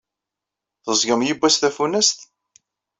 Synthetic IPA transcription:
θəzɡəmjibːæsθæfunæst̪

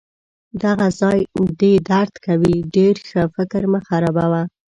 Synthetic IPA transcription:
d̪aɣazɑjd̪ed̪aɾd̪kawiɖeɾxəfɪkɾməxaɾabawa

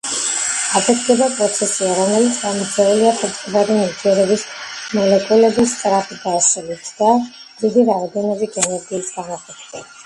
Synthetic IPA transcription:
ad̪ɛt̪ɡ̪ɛbapʼɾɔt̪sʰɛsiɛɾanɛlisamid̪zɛuliapʼɔt̪kvaɾɛniɡ̪ɛɾɔbismɔlɛkʼulɛbist̪sʼɾapid̪aɛsɛlit̪ʰd̪a | vid̪iɾaɾd̪ɔnɔviɡɛnɛɾɡiːsɡanat̪ʰɛkt̪ɛ

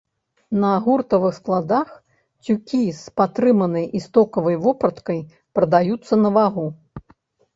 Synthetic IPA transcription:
nɐːɣurt̪ɐvɨxsklˠad̪ax | t͡sʲukʲispat̪ɾɨmɐnɐjʔist̪ɔkɐvɐjvɔpɾɐt̪kɐj | pɾɐd̪ajut̪sːɐnɐvaɣu

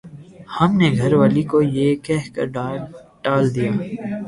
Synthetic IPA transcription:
hɐmneɡʱɐɾʋaːlikojekɛɦkɐ̰ɾɖɖaːld̪ijaː

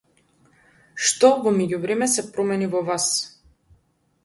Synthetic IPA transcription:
ʃt̪ɔvɔmɛɟuvɾɛmɛsɛpɾɔmɛnivɔvas

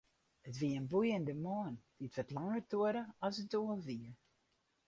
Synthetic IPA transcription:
ətʋiəənbujəndəmoːnd̥iətʋətlaŋərtuəɾəɔsətoəlˠʋiə

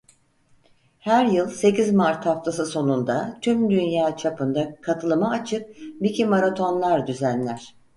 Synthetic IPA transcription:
hæɾjɯlˠse̞cizmaɾt̪haft̪ʰas̬ɯso̞nund̪at̪ʰymd̪ynjaːt͡ʃʰapɯnd̪akʰat̪ʰɯlˠɯmaːt͡ʃʰɯk̚bicimaɾat̪ʰo̞nlˠaɾd̪yzænlʲæɾ̥

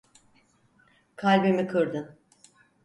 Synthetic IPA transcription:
kʰalʲbemikʰɯɾd̪ɯn

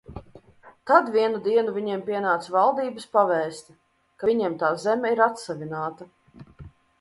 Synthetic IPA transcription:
t̪ad̪vʲiɛnud̪iɛnuvʲiɲɛmpʲiɛnaːt̪svalˠd̪iːbɨspavɛːst̪ʲ | kavʲiɲɛɛmt̪aːzɛmɛiɾat̪savʲinaːt̪ɐ

